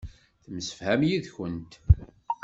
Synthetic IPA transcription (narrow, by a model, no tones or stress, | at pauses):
θəmsə̥fhæmjiðçənt̪